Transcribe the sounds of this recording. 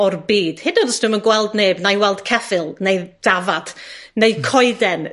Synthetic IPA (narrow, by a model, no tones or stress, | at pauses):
ɔrbiːd̥hɪdɔdəsd̥ɪmənɡwɛlˠdneːbnajwɛlˠd̥kʰɛfɪlˠnejd̥avad̥nejkʰɔɨdɛn